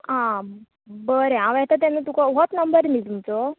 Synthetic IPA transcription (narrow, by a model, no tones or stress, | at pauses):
ã | bəɾeãʋɛt̪at̪anət̪ukaʋɦot̪nəmbəɾmiːlt̪umt͡sɔ